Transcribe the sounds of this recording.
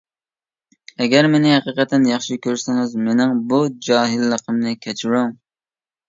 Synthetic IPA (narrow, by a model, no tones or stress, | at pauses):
ɛɡʲɛɾmenɪhɛqiqɛt̪ʰɛnjɑχʃikʲʰøɾsɪŋɨzmenɪŋbud͡ʒɑːɦɪlːəqʰəmnɪkʲʰɛt͡ʃʰiɾuŋ